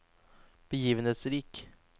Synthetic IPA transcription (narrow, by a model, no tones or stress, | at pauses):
b̥əjiːʋənheːt̪sɾiːk